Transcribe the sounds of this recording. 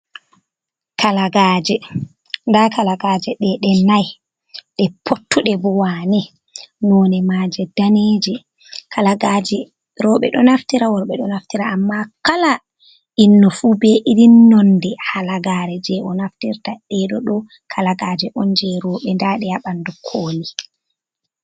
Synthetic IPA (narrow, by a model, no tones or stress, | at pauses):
kʰalaɡaːd͡ʒɛ | ndakʰalaɡaːd͡ʒɛɗɛɗɛnaj | ɗɛpʰotːuɗɛbɔwanɛ | nɔːnɛmaːd͡ʒɛdaned͡ʒɛ | kʰalaɡad͡ʒɛ | ɾɔɓɛɗɔnaftiɾawɔɾɓɛɗɔnaftiɾaamːakala | ʔinːɔfuːbɛʔidinːɔndɛhalaɡaːɾɛd͡ʒɛʔɔnaftiɾtaɗɛɗɔɗɔ | kʰalaɡaːd͡ʒɛʔɔnd͡ʒɛɾɔːɓɛndaɗɛjaɓandukʰoːli